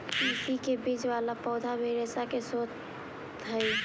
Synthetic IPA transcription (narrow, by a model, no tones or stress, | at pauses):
pisikebid͡ʒʋalapɔʊd̪ʱabʱeɾesakesot̪ | ɦəj